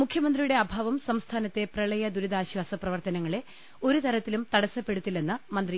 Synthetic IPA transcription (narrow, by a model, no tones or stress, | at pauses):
mukʰjɐmɐnd̪rijuɽe̞ɐbʱaːʋɐmsɐmst̪ʰaːnɐt̪ːe̞prɐɭɐjɐd̪uɾud̪aːɕʋaːsɐprɐʋɐrt̪ɐnɐŋːɐɭe | o̞ɾut̪ɐɾɐt̪ːilumt̪ɐɽɐsɐpːe̞ɽut̪ːilːenːɐmɐnd̪ri